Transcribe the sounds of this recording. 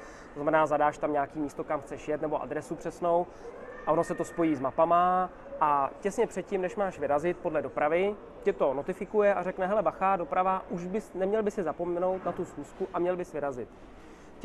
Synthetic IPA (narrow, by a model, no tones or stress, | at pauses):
t̪oznamɛnaːzadaːʃt̪amɲaːkiːmiːst̪okamxt͡sɛʃjɛt̪nɛbo̞ʔa̰dɾɛsupr̝̥ɛsno̞w | ʔaono̞sɛt̪o̞spo̞jiːzmapama | ʔacɛsɲɛpr̥ɛt̪̚cɪmnɛʃmaːʃvɪɾazɪt̪̚po̞dlɛdo̞pɾavɪ | cɛt̪o̞no̞t̪ɪfɪkujɛarɛknɛɦɛlɛbaxaːdo̞pɾavaʔuʃbɪsnɛmɲɛlbɪsɪzapo̞mɛno̞wt̪nat̪usxuːskuʔamɲɛlbɪsvɪɾazɪt̪